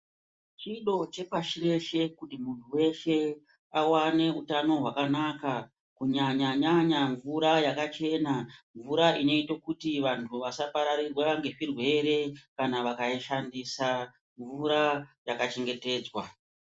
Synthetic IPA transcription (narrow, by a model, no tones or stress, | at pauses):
t͡ʃiɗo̞t͡ʃe̞paʃire̞ʃe̞kutimuntʰuwe̞ʃe̞ | awane̞utano̞ɦwakanaka | kuɲaɲaɲaɲaɱvuɾajakat͡ʃe̞naɱvuɾaʔino̞itokutiʋantʰuʋasapaɾaɾirwaŋɡe̞ʂirwe̞ɾe̞kanaʋakaiʃandisa | ɱvuɾajakat͡ʃe̞ŋɡe̞te̞ːd͡zwa